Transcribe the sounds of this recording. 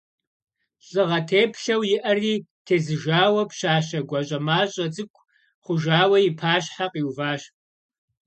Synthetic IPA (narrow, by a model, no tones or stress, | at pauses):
ɕʼɨʁɐtʰeːpʰɬɐwjɪʔɐriːtʰeːzɨʒaːwɐpʃaːɕɐɡʷɐɕʼɐmaːɕʼɐt͡sʼɨkʷʰʼ | χʷʊʒaːwɐjɪpʰaːɕħaqʼiːwvaːɕ